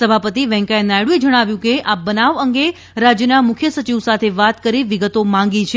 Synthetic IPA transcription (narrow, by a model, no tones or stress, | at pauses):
səbʱapət̪iʋɛ̃ŋkajnajɽũed͡ʒəɽ̃aʋjũkeʔabənaʋəŋɡe | ɾad͡ʒjənamʊkʰjəsət͡ʃiʋsat̪ʰeʋat̪kəɾiʋiɡət̪omãŋ̆ɡit͡ʃʰe